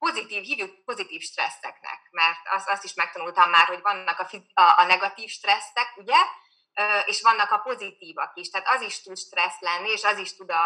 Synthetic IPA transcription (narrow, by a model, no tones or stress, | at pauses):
po̞zit̪iːfhiːvykpo̞zit̪iːfʃt̪rɛ̰sːɛ̰knɛ̰kmɛrt̪ɒ̰sɒst̪iʃmɛk̚t̪ɒnult̪ɒmːaːrho̞ɟʋɒnːɒkɒfiɒʔɒnɛɡɒt̪iːfʃt̪rɛsːɛkuɟɛ | øːʔeːʃʋɒnːɒkɒpo̞zit̪iːvɒ̰kiʃt̪ɛɦaːt̪ɒziʃt̪ut̪ʃt̪rɛslɛnːieːʃɒziʃt̪ud̪ɒ